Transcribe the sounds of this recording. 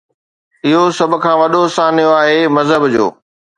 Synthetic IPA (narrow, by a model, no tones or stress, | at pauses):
ɪɦosɐbʊ̆kʰãːʋɐɗosãːnɪjoaːɦeːmɐzɦəbd͡ʑo̰ː